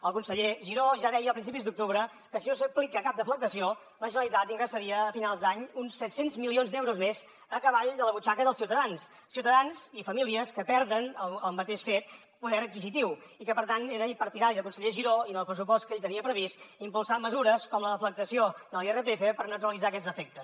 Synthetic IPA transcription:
əlˠkunsəʎeʒiɾoʒaðɛjəːlpɾinsipizd̪uk̚t̪uβɾə | kəsinosəplikəkap̚d̪əflək̚t̪əsio | ləʒənəlˠit̪at̪iŋɡɾəsəɾiəːfinalˠzd̪aɲunsːɛt̪senzmilionzd̪ɛwɾuzmez | əkəβaʎd̪ələβut͡ʃakəðəlˠsiwt̪əðans | siwt̪əðanzifəmiliəskəpɛɾðənəlˠəlˠmət̪eʃfet̪ | puðɛɾəkizit̪iw | ikəpəɾt̪ant̪eɾəipəɾt̪iðaɾiðəkunsəʎeʒiɾoinəlˠpɾəsupɔst̪kəeʎt̪əniəpɾəβist̪impulˠsaməzuɾəskɔmləðəflək̚t̪əsiod̪əlˠerəpefepəɾnət̪uɾəlˠid͡zaəkɛd͡zdəfɛk̚t̪əs

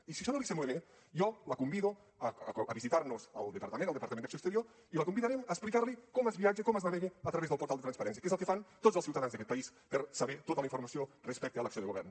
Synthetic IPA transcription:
isiʃɔnolisemoβe | jɔləkumbiðu | əʔəβizit̪aɾnuzəlˠd̪əpɐɾt̪əmenəlˠd̪əpɐɾt̪mend̪əksoekst̪əɾio | iləkumbiðaɾɛməːsplikaɾlikɔməzβiad͡ʒekɔməznaβeɣeət̪ɾəɐβezðəlˠpuɾt̪alˠd̪et̪ɾanspɐɾɛnsiə̥kezəlˠkefant̪ozəlˠsiuwt̪ɐðanzðəkɛt̪pɐispəɾsəβɛt̪ot̪ələiɱfuɾmɐsiorespɛk̚t̪eələksioðəɣuβɛrn

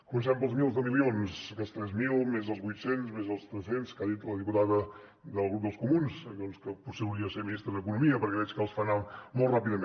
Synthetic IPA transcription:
kumənsɛmpəlˠzmilˠzðəmilionskəlˠst̪ɾɛzmilˠmezðəlˠzβujt̪senzmezðəlˠst̪ɾəsenskaðit̪ləðiput̪aðə | d̪əlˠɣɾup̚d̪əlˠskumunsd̪ɔnskəpuseuwɾiəseɾminist̪ɾəðəkunumiəpəɾkɛβɛt͡ʃkəlˠsfanamːolˠtrapiðəme

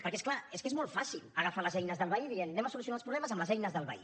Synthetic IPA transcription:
pəɾkesklaeskezmɔlˠt̪fasiləɣəfaləzɛjnəzðəlˠβəiðiennɛməsulus̬iunalˠspɾuβlɛməzəmləzɛjnəzðəlˠβə̰ḭ

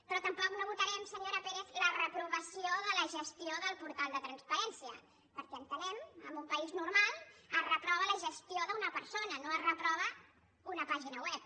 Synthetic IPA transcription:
pɾɔt̪əmpɔknoβ̞ut̪əɾɛmsəɲoɾəpeɾezlərəpɾuβəsioðələʒəst̪ioðəlˠpuɾt̪alˠd̪ət̪ɾənspəɾɛnsiə | pəɾkɛənt̪ənɛməmbumpəiznuɾmalˠərəpɾɔβələʒəst̪ioðəunəpəɾsonənoərəpɾɔβ̞ə | unəpaʒinəwɛp̚

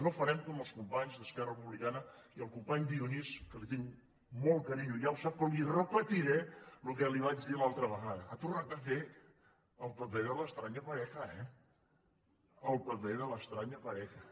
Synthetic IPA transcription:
nofəɾɛmkoməlˠskumpaɲzðəskɛrərəpuβlikanəiəlˠkumpaɲd̪iuniskəlit̪iŋ | mɔlˠkəɾiɲujawsap̚kɔmirəpət̪iɾɛlukɛliβ̞ad͡ʒðilalˠt̪ɾəβəɣaðəat̪urnat̪̚d̪əfe | əlˠpəpeðələst̪ɾaɲəpəɾɛxəɛ | əlˠpəpeðələst̪ɾaɲəpəɾɛxə

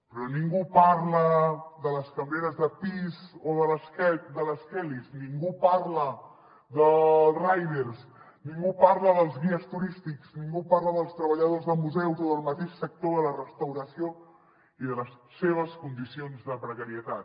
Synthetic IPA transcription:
pɾɔniŋɡupaɾləðələskəmbeɾəzðəpizoðələskɛd̪ələskɛlizniŋɡupaɾlə | ðəlˠrajðeɾs | niŋɡupaɾləðəlˠzɣiəst̪uɾist̪ikz̥niŋɡupaɾləðəlˠst̪ɾəβəʎəðozðəlˠmuzɛwzoðəlˠmət̪eʃsək̚t̪oðələrəst̪əwɾəsio | iðələsseβ̞əskund̪isionzðəpɾəkəɾiət̪at̪

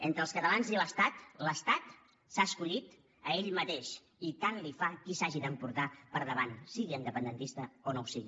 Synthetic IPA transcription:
ent̪ɾəlˠskət̪əlanziləst̪at̪ləst̪at̪ | saəskuʎit̪ | əeʎmət̪eʃ | it̪anlifakisaʒid̪əmpuɾt̪apəɾðəβ̞ansiɣiənd̪əpənd̪ənt̪ist̪əonowsiɣi

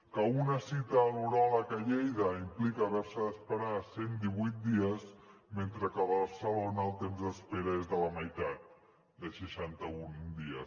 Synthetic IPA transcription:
kəunəsit̪əːluɾɔləkəʎejðəimplikəːβɛɾsəðəspəɾasend̪iβujt̪̚d̪iəzment̪ɾəkəββəɾsəlonəːlˠt̪emzðəspeɾəezðələməjt̪at̪̚ | d̪əʃəʃant̪əund̪iə

